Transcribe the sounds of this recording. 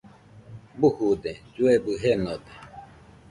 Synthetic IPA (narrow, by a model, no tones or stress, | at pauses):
buhud̪ed͡ʒuebɨɦenod̪e